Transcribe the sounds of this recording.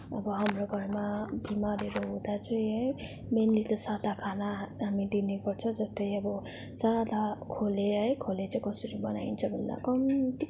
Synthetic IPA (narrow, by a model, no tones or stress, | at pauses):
ʌ̰bʌɦamroɡʱʌrmabimaɾeɾoɦũd̪at͡sʌĩɦʌj | menlet̪ʌsad̪akʰanaɦamid̪ineɡʌrt͡sʰʌd͡zʌst̪ʌjʌbʌ | sad̪akʰoleɦʌjkʰolet͡sʌikʌsʌɾibʌna̰int͡sʰʌbʱʌnd̪a̰kʌmt̪i